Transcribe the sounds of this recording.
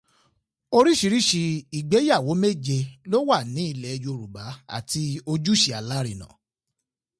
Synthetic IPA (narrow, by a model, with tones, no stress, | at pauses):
o˧ɾi˦ʃi˧ɾi˦ʃi˧i˨ɡ͡be˨˦ja˦˨wo˨˦me˦d͡ʒe˧lo˦wa˦˨nĩ˨˦i˦˧˨lɛ˨˧jo˧o˧ɾu˨ba˨˦a̰˦˨ti˧o˧d͡ʒu˦ʃi˧a˨la˦ɾi˨nã̰˨